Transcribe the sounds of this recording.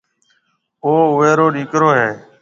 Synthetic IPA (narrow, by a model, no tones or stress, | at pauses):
oːʋeːɾoːɗiːkɾoːɦeː